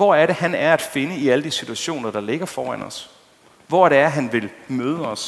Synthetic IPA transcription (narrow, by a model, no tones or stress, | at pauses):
ʋɒæɐɾe̝hænæɐæd̥fe̝nəiæləd̥isit͡sʰuæɕo̝̰ːnɐd̥ɑ̈le̝ɡ̥ɐfɒːænɒ̽s | ʋɒ̰ɐɾe̝æɐɦænʋe̝lmøːð̞ˠəɒ̽s